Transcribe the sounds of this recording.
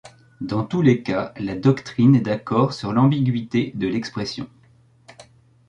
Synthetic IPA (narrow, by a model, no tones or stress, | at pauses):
d̪ɑ̃t̪ulekalad̪ɔkt̪χinɛd̪akɔʁsyʁlɑ̃biɡʲɥit̪ed̪əlɛkspχɛsjɔ̰̃